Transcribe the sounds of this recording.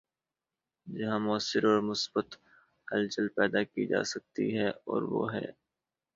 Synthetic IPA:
d͡ʒɐɦãmʊəsːɪɾɔːɾmʊsbət̪ | hɐlt͡ʃəlpɛːd̪akid͡ʒa̰ːsɐk̚t̪ḭɦɛɔ̰ːɾʋo̰ːɦɛ̰ː

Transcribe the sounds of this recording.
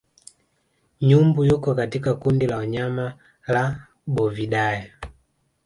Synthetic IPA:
ɲumbujukɔkatikakundilaɔɲama | la | bɔviɗaja

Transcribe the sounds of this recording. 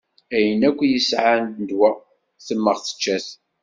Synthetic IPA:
æjənækʷːjəsʕand̪nd̪wæ | θəmːəʁθə̥t͡ʃːæθ

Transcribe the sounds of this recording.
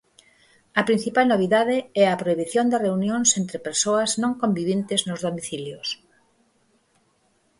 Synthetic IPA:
ɐpɾin̟θipalnoβ̞iðaðɪɛɐpɾoiβiθjond̪ɐreunjõnsent̪ɾepeɾsoɐznõŋkombiβjẽnt̪ɪznʊzðomiθiljos

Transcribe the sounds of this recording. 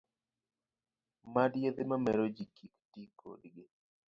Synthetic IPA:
madjed̪ɪmamɛɾod͡ʒikʰiktikʰo̰dɡɪ

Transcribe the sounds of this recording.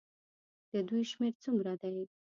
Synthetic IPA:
d̪̥əd̪ujʃmeɾt͡sumɾad̪aj

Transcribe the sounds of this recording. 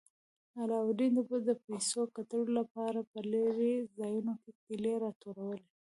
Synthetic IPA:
alɑwɾind̪bəd̪əpajsokat̪əlolapɑɾapəlaɾezɑjunoket̪̚ileɾɑt̪oɾawəle

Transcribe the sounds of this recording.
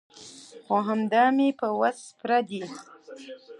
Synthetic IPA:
xoɦamd̪ɑmepəwaspɾad̪i

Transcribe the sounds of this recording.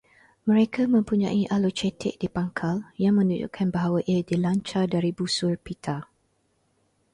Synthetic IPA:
mə̃ɾekʰamə̃mpuɲã̰ʔiʔalot͡ʃɛt̪ɪ̰ʔ̚dipaŋkʰaljaŋmə̃nuɲd͡ʒṵʔkʰanbaɦawaʔiadilaɲt͡ʃadaɾibusʊrpit̪ʰa

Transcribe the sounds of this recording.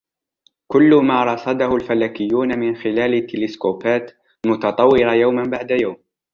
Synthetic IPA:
kʊlːʊmaːɾˤɑsˤɑd̪ɑhʊlfalaːkɪjːuːnamɪnxɪlaːlɪt̪ːɪlɪskoːfaːt̪ | mʊt̪ɑt̪ˤɑwːɪɾajawmanbaʕd̪ajawm

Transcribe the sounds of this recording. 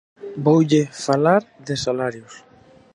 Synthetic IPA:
bowʎɪfalaɾðɪsalaɾjʊs

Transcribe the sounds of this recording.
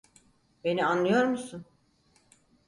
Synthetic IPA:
be̞nianːɯjo̞ɾmusun

